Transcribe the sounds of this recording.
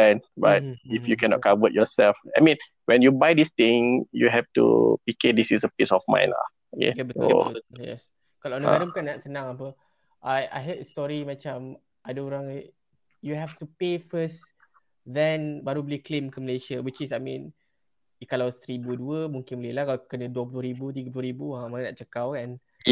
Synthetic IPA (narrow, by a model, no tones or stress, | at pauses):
ɛnbat̚ifjukɛnɔ̰ʔ̚kavəʔ̚jɔsɛlfa̰jmĩn | wɛ̃njubajdist̪ĩŋjṵɦɛftṵpikedisisəpisɔfmã̰j̃na̰ | okḛjbəto̰jɛ̰s | kalnəɡaɾəmkãnaʔsənãŋapə | ʔaja̰jɦətəstɔɹimat͡ʃãm | ʔadəoɾãŋ | juɦɛftupefəs | dɛ̃nbaɾubliklemkəməleʃəwit͡ʃisajmĩn | ikalawst̪ɾibuəduəmũŋkɪ̃nbəlelahkalakənəduəp̬luəɾibut̪̬iɡəpluəɾibuamanənaʔt͡ʃəkawkãn